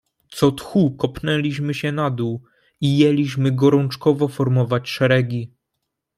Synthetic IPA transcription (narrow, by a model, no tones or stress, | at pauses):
t̪sɔt̪xukɔpnɛlʲiɕmɘɕɛnad̪uw | ijɛlʲiɕmɘɡɔɾɔnt͡ʂkɔvɔfɔɾmɔvat͡ɕʂɛɾɛɡʲi